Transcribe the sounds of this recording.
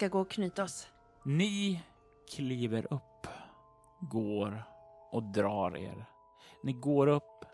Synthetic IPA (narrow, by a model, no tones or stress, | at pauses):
kaɡoːɔkʰnyːt̪aɔs | nɪ | kʰliːvəɾʔɵpː | ɡoːɾʔɔd̪ɾɑːɾḛːɾ | nɪɡoːɾɵpː